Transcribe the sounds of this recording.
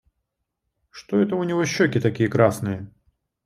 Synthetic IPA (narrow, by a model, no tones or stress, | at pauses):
ʂt̪oɛt̪əʊnʲɪvoɕːokʲɪt̪ɐkʲijəkɾasnɨjə